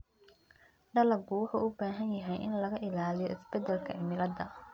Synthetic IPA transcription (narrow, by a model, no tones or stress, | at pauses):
ɖɐlɐɡʊwʊħʊʊbaːɦɐnjɐɦɛjʔɪ̰nlɐɣɐʔɪlaːlɪjɔʔɪsb̥ɛd̪ɛlkʰɐʔɪmɪlɐd̪ɐ